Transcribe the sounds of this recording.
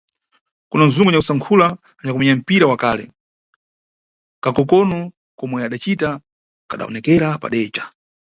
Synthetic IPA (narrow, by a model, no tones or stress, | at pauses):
kunan̩zuŋɡɔɲakusaŋkʰulaː | ɲakumɛɲam̩piɾawakalɛ̰ | kakɔkɔnɔ | kɔmwɛaɗat͡ʃita | kaɗa̰ɔ̰nɛkɛɾapa̰ɗɛːt͡ʃḁ